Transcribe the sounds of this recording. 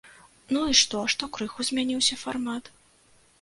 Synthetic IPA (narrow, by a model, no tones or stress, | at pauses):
nuiʂt̪ɔʂt̪ɔkɾɨxuzʲmʲanʲiwsʲɐfarmat̪